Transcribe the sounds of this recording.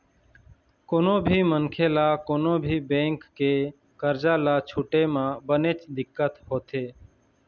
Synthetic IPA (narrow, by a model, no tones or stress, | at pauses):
koːnoːbʱiːmənkʰeːlaːkoːnoːbʱiːbẽːŋkːeː | kəɾd͡ʒaːlaːt͡ʃʰuːʈeːmãːbəneːt͡ʃd̪ɪkːət̪hoːt̪eː